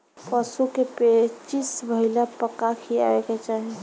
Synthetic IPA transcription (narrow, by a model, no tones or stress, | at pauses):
pəsukepet͡ʃisbəɦilapəkakʰia̰eket͡ʃaɦi